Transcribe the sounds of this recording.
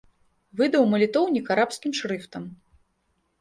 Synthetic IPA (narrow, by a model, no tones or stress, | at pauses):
vɨd̪ɐwmɐlʲit̪ɔwnʲikaɾapskʲimʂɾɨft̪ɐm